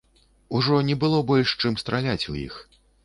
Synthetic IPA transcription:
uʐɔnʲɛbɨlˠɔbɔlʲʂt͡ʂɨmst̪ɾalʲat͡sʲṵjḭx

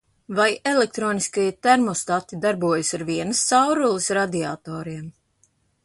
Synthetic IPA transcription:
vajɛlek̚t̪ɾɔːniskajit̪ɛɾmɔst̪at̪id̪aɾbuɔjasaɾviɛnəst̪sawɾulˠisɾad̪iaːt̪ɔːɾiɛm

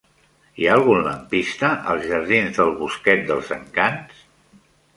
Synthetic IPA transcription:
iaːlˠɣunləmpist̪əʔəlˠzʒəɾðinzðəlˠβuskɛt̪̚d̪əlˠzəŋkans

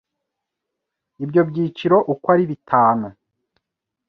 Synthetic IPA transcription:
ibɟo̞bɟiːt͡ʃiɾo̞ʔukaɾiβitʰaːno

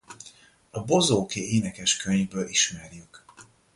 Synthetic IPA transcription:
ɒbo̞zoːkeeːnɛkɛʃkøɲvbøːlʔiʃmɛrjyk

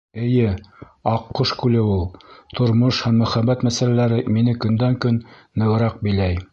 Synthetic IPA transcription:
ɘ̆jɘ | ɑqːoʃkʉlɘulˠt̪ʰŏɾmoʃhæmːɵ̆χæbæt̪mæsælælæɾɘminɘkɵ̆nd̪æŋkɵnː | ɘ̆wɤ̆ɾɑq̚bĭlæj

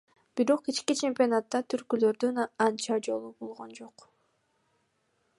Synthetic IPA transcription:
b̥iɾo̞qɡit͡ʃkit͡ʃʰe̞mʲpʲionat̪ːɑt̪ʰyɾkylø̞ɾd̪ynɑnt͡ʃɑd͡ʒo̞lˠubo̞lˠʁo̞nd͡ʒo̞q

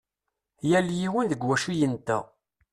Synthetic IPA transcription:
jæljiwənðəɡwæʃijənt̪ːæ̰

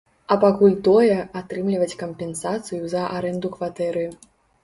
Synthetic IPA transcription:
ɐpakulʲt̪ɔjɛat̪ɾɨmlʲivɐt͡sʲkɐmpʲɛnsat̪sɨjuzɐʔaɾɛnd̪ukvat̪ɛɾɨ

